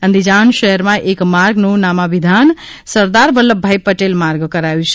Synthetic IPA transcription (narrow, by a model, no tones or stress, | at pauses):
ə̃nd̪ʱid͡ʒanʃəɦəɾmaʔekmaɾɡnunamabid̪ʱan | səɾd̪aɾbəlːəbʱajpəʈelmaɾɡkəɾajwt͡ʃʰ